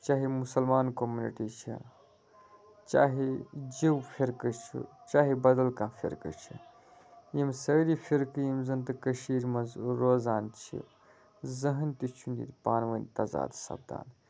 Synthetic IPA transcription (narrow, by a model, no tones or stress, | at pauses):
t͡ʃaːɦimusɐlmaːnkomuniʈit͡ʃʰḭ | t͡ʃaːɦid͡ʒiwpʰeɾkɨt͡ʃʰḭt͡ʃaːɦibɐd̪ɐlkãːfʰḛɾkɨ̰t͡ʃʰḭ | jimsɐːɾipʰiɾkɨjimzɐnt̪ɨkɐʃiːɾmɐzɾoːzaːnt͡ʃʰḭ | zɐɦɐnt̪it͡ʃʰunḭt̪paːnʋɐnt̪ɐza̰ːd̪sɐ̰b̚d̪a̰ːn